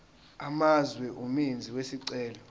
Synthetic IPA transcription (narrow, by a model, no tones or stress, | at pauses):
amazwɛʔumind͡zʱiwesiǀɛːlɔ